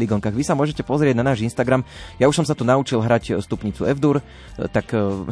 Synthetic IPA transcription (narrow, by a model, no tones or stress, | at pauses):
liɡɔŋkaːɣʋisamʊɔʒɛcɛpɔzɾɪɛɟnanaːʒinst̪aɡɾamjauʃsɔms̬at̪unaut͡ʃilɦɾacst̪upɲit͡suɛvd̪uɾ | t̪ak